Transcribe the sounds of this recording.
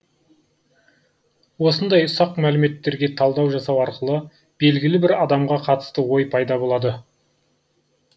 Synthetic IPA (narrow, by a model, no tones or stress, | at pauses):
wo̞sənd̪ɑjʊsɑqmælɪme̞t̪ːe̞ɾɡʲe̞t̪ʰɑlˠd̪ɑwʒɑsɑwɑɾqəlˠə | b̥e̞lɡʲɪlɪbɪɾɑd̪ɑmʁɑqʰɑt̪ə̥st̪əwo̞jpʰɑjd̪ɑbo̞lˠɑd̪ə